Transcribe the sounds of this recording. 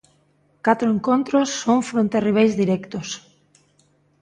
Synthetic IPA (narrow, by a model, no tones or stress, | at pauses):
kat̪ɾoeŋkõnt̪ɾosːoŋfɾont̪eriβ̞ejzðiɾɛkt̪os